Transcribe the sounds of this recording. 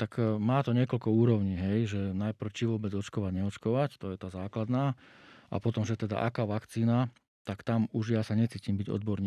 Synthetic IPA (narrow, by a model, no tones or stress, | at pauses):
t̪akmaːt̪ɔɲɪɛkɔlkɔuːɾɔʊɲiːɦɛjʒɛnajpr̩ʊt͡ʃiʋʊɔbɛd͡zɔt͡ʃkɔʋaɟɲɛɔt͡ʃkɔʋact̪ɔjɛt̪aːzaːklad̪naː | ʔa̰pɔt̪ɔmʒɛt̪ɛd̪a̰ʔakaːʋakt͡siːna | t̪akt̪amuʒjasaɲɛt͡siːcimbiɟɔ̰d̪bɔɾɲiː